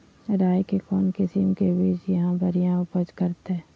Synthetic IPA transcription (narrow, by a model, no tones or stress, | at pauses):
ɾaːjkekɔːnkɪsimkebiːd͡ʒjɐɦãbɐɾijãʊpəd͡ʒkɐɾt̪eɦɛː